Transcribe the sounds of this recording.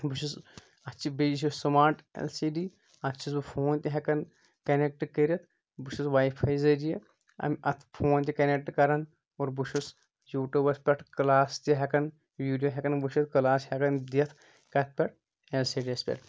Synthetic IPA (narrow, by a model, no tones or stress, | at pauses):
buʃus | ɐt͡ʃʰibed͡ʒis̬issɐmaːɾʈḛlsiːɖiː | ɐt͡ʃʰis̬bɨpʰoːnt̪ʲiɦɐkɐn | kɐnek̚ʈkəɾɐt̪ʰ | buʃusʋaːjpʰɐjzɐd͡ʒije | ɐ̰mʲʔɐt̪ʰpʰoːnt̪̬ʲikɐnek̚ʈkɐɾɐn | oːɾbuʃʰus | juːʈubɐspʲɐʈkɨlaːst̪ʲiɦɐkɐn | ʋiːɖijoːɦʲɛkɐnbɨʃit̪̚ʰkɐlaːshekɐnd̪jɐt̪ʰ | kɐt̪̚ʰpʲɛʈ̚ʰ | elsiːɖiɐspʲɛ̰ʈʰ